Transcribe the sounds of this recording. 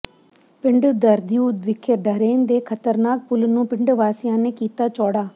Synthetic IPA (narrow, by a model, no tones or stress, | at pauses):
pɪɳɖd̪əɾd̪juːd̪ʋɪkʰːeɖəɾeːnd̪eːkʰət̪əɾnaːk̚pʊlnũːpɪɳɖʋaːsɪjãːneːkiːt̪aːt͡ʃɔːɽaː